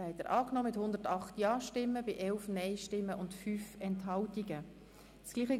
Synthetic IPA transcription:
ɛɪtəɾʔɑːknɔːmɪthʊnd̪əɾtɑχtjɑːʃtɪmːəbɪʔɛlfnɛɪʃtɪmːəʔʊntfyːfɛntɦɑltiɡə | sɡ̥liːχə

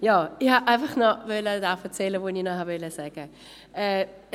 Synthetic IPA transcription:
jɔːɪhaʔaɪnfaχnɔvølədafət͡sɛləvoːninɔɦabeləsɛɡ̥ə | ɛ

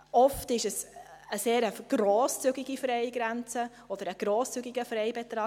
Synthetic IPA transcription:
ɔftɪʃɛsəseːɾəɡ̥ɾoːst͡syɡiɡifɾɛɪɡɾɛnt͡sə | ɔd̥̪əɾəɡ̥ɾoːst͡syɡiɡəfɾɛɪbɛt̪ɾɑː

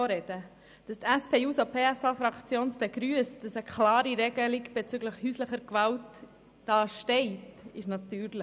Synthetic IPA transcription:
ɔɾɛd̥ə | d̥ɑstɛspʰeːjuːsopʰeːɛsɑːfɾɑkt͡sjoːnsb̥ɛɡ̥ɾyəstd̥ɑsəkʰlɑːɾiɾɛɡ̥əliɡb̥ɛt͡sʏɡləχhyːsləχəɾkʋɑlt | d̥ɑːʃtɛɪtɪʃnɑtyːɾlə

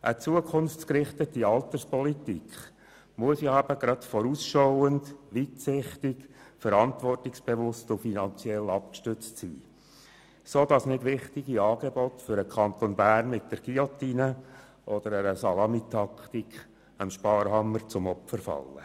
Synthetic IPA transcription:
ʔət͡suəkʰʊnft͡sskɾɪχtətiɑltərspɔlitikχ | muəsjɑæb̥əɡ̥ɾɑtfɔɾuːsʃɔʊəndʋitsɪχtɪkfəɾɑntvɔrtɪksb̥eʋʊstʊfinɑnt͡sjɛlɑp̚kʃtʏt͡stsiː | soːdɑsnɪdʋɪχtiɡ̥iɑːɡ̥ebɔtfʏɾəkʰɑnt̪onbæːrnmɪt̚d̥əɾɡ̥iɔt̪ːinə | ʔɔd̥̪əɾəɾəsɑlɑmit̪ʰɑkt̪ikχ | əmʃpɑːɾɦɑməɾt͡sʊmɔpfəɾfɑ̰lːə̰

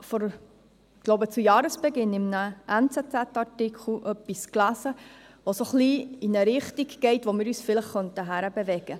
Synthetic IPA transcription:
fɔɾ | ɡ̥loʊbət͡sujɑːɾəsb̥ɛɡɪnːɪmnəʔɛnt͡sɛt͡sætɑɾtikχl̩ʔœpːisklæsə | ʋosoχliinəɾɪχtiɡɡ̥ɛɪtʋomɪːɾyːsfɪləχːœntəɦæɾəbevɛɡ̥ə

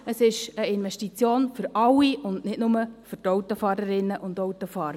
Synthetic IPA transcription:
əsɪʃəɪnʋɛʃtit͡sjoːnfʏɾɑwiʊnnɪdnʊməfʏɾtɔwt̪ofɑːɾəɾɪnːəʔʊndowt̪ofɑːɾə

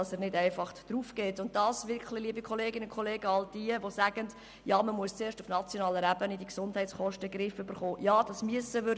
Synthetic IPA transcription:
ɑsənɪdæɪfɑχd̥ɾuːfkeːtʊnt̚d̥ɑːsʋɪɾkχlɪliəbikʰɔleːɡɪnəkʰχɔleːɡəɑld̥iəʋosæɡ̥ənd | jɑːməmuəst͡seːɾʃtʊfnɑt͡sjɔnɑːləɾæbənidiksʊndhɛɪtt͡ssχɔʃtəɡɾɪfʏbəɾχoːjɑːd̥ɑsmyəsəʋøɾ

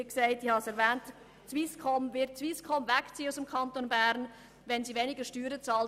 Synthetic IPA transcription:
ksæɪtihɑsɛɾvɛːnt | t͡sʋiskʰɔmvɪt̚t͡sʋiːskʰɔmvækt͡siːəusəmkʰɑnt̪onbæɾn | ʋɛnsiːvenɪɡəʃtyːɾət͡sɑːl

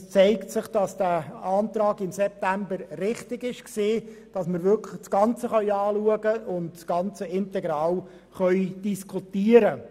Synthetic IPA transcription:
st͡sɛɪktsɪχd̥ɑsd̥æːɑːntrɑːɡɪmsɛp̚tæmbəɾːɪχtɪɡɪʃkseːd̥ɑsməɾvʏɾkʰləχsɡ̥ɑnt͡səχœʏɑːluəɡəʊndsɡ̥ɑnt͡səɪntɛɡɾɑːl | χœʏd̥iskʰχutiːəɾə

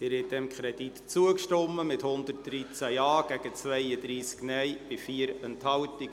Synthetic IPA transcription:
t̪ɪːɾhɛt̚d̥̪ɛmkʰχɾɛd̥̪it̪t͡suəkʃtɔmːəmɪt̪hʊnd̪ərt̚d̥̪ɾit͡sæjɑːɡ̥æɡ̥ət͡sʋɛɪəd̪ɾiːsknɛjb̥ɪfiːəɾɛnthɑltiɡ

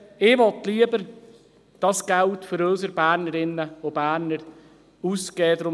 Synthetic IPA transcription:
ɪʋɔt̪liəbəɾ | d̥ɑsɡ̥æltføɾœːsəɾb̥æːɾnəɾɪnːəob̥æːɾnəɾ | uskɛːdɾʊ

